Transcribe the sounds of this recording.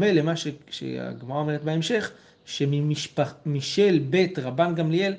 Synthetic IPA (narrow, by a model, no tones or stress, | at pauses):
melemaʃeʃḛaa̰ɡmaʁaome̞et̚beemʃe̞χ | ʃemimiʃpmiʃe̞lbe̞tʁabanɡamliel